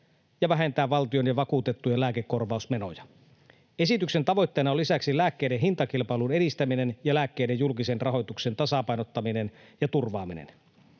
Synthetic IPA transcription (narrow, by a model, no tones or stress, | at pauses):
jɑʋæɦent̪æːʋʋɑlt̪io̞njɑʋɑkut̪e̞t̪ːujɑlæːkekːo̞rʋɑˑusme̞no̞̰jɑ | e̞sit̪ykse̞nt̪ɑʋo̞jt̪ːe̞ːnɑolːisæksilæːkːejdeɦint̪ɑkilpɑilunedist̪æmine̞njɑlæːkːe̞ːde̞jjulkise̞nrɑɦo̞jt̪ukse̞nt̪ɑsɑpɑjnot̪ːɑmine̞njɑt̪urʋɑːminḛn